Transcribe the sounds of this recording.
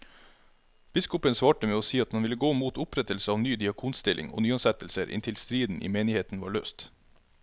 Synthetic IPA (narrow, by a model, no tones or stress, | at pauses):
b̥ɪskʊpənsʋɑːʈəmeːoːsiːɑt̪hɑnʋɪləɡoːmuːt̪ʊpɾɛt̪əlsəɑːʋnyːd̪ɪɑkʰuːnst̪ɪlʔɪ̰ŋo̰ːnyːɑnsɛt̪əl̩səɾʔɪ̰nt̪ʰɪlst̪ɾiːd̪n̩ʔḭːmeːnɪheːt̪n̩ʋɑːɭø̰ːst̪